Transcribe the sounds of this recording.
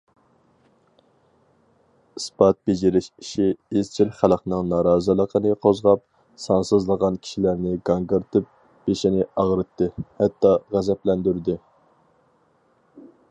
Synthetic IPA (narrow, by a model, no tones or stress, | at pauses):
ɨspɑt̪̚b̥ed͡ʒɪɾɪʃi̥ʃiːzt͡ʃʰilχælˠəqnɨŋnɑɾɑːzɨlˠəqʰənɨqʰozʁɑp̚ | sɑnsɨzlˠəʁɑnkʲʰi̥ʃilæɾnɪɡɑŋɡɨɾt̪ʰɨp̚ | b̥eʃinɪɑʁɾɨt̪ːɨhɛt̪ːɑʁæzɛplɛnd̪yɾd̪ɪ